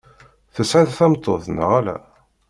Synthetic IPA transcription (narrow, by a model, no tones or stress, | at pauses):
θəsʕaðθæmt̪ˤːoθnə̰ʁælæ̰